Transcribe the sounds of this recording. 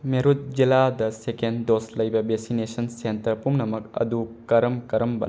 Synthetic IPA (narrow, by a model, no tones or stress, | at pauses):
meɾut̚ziladɐsekendoslɐjbɐbesinesɐnsentɐɾpumnɐmɐk̚ɐ̰dukɐɾɐmkɐɾɐmbɐ̰n